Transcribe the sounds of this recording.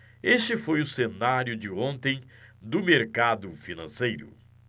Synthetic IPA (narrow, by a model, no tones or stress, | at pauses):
est͡ʃɪfojʊsenaɾjʊd͡ʒɪõnt̪ẽj̃ | d̪ʊmeɾkad̪ʊfinɐ̃sejɾʊ̰